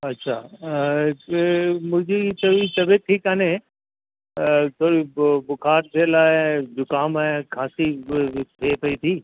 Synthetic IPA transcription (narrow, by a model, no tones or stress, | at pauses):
ɐtːʃʰaː | mʊd͡ʒeit̪ʰoːɾit̪ɐbʱeʈʰiːkaːne | t̪ʰoːɽibʊkʰaːɾd̪eːlaːed͡ʒʊkaːmaekʰaːsit̪ʰeːpɐit̪ʰiː